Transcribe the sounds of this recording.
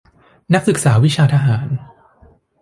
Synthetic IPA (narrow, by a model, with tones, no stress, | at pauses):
na˦˥k̚sɯ˨˩k̚saː˩˦wi˦˥t͡ɕʰaː˧t̪ʰa˧ɦaː˩˦n